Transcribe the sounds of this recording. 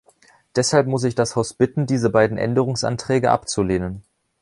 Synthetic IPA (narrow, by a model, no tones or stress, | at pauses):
d̥ɛshalpmʊs̬ɪçd̥ashaʊsb̥ɪtn̩diːzəbaɪdn̩ʔɛ̰ndəʁ̞ʊŋsʔa̰ntʁ̥ɛːɡəʔa̰pt͡suleːnən